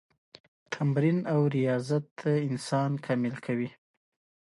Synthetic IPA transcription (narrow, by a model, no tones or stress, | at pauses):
t̪ʰamɾinawɾijɑzat̪̚d̪əɪnsɑnkʰɑmɪlkʰawi